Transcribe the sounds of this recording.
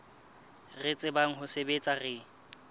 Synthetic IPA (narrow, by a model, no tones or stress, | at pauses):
rɪt͡sʼɪbaŋ̩ɦʊsebet͡sʼarɪ